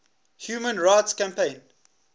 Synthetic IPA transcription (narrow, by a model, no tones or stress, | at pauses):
hjuːmə̃nɹaɪtskãmpẽɪ̃n